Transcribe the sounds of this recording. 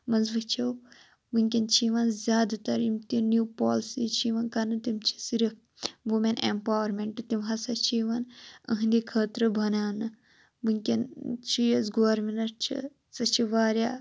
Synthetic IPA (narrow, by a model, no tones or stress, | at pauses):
mɐnzʋɨt͡ʃʰɐw | bɨŋkʲɐnt͡ʃʰiːʋɐnzʲjaːd̪at̪ɐɾimt̪injuːpoːlsit͡ʃʰiʋɐnkɐnɨt̪imt͡ʃʰi̥siɾi | ʋumenḛmpaːwɐɾmeɳʈt̪imɦɐsɐt͡ʃʰiːʋɐnɐ̰ɦɨnd̪ikʰəːt̪ɾɨbʱɐnaːnɨ | bɨŋʲkʲɐnt͡ʃʰijɐsɡoɐɾmenɐɾt͡ʃʰḭ | sɐt͡ʃʰiʋaːɾʲjaː